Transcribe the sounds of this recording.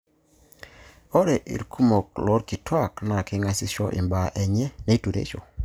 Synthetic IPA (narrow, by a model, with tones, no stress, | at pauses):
o˦ɾɛ˨ʔḭ˨ɾkʰu˦mo˨klɔ˦ɾki˨twa˦˨kna˨kɪ˦ŋa˦sɪ˦ʃɔ̰˦ʔɪ̰˨mba˨ʔɛ˨ɲɛ˦ne˦tu˨ɾḛ˦t͡ʃo̰˨